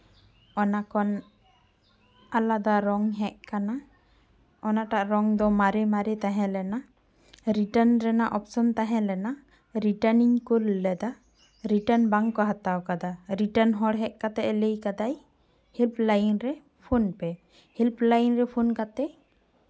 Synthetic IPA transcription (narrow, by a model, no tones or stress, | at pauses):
ɔnakɔn | alad̪aɾɔŋɦɛʔkana | ɔnaʈaʔɾɔŋd̪ɔmaɾɛmaɾɛt̪aɦɛ̃lɛna | ɾiʈənɾɛnaʔɔpsɔnt̪aɦɛ̃lɛna | ɾiʈəniŋkulːɛd̪a | ɾiʈənbaŋkɔɦat̪awkad̪aɾiʈənɦɔɽɦɛʔkat̪ɛʔɛləjkad̪aj | hilplajnɾɛ | pʰunpɛ | hilplajnɾɛpʰunkat̪ɛ